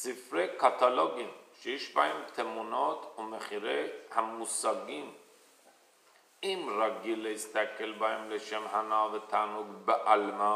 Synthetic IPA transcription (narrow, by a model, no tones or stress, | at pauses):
sifɾejkat̪alo̞ɡimʃejeʃbahemt̪ʰemunot̪umeχiɾejhamusaɡim | imɾaɡilːehist̪akelbahemleʃemhanavet̪ʰaːnuɡbeʔalma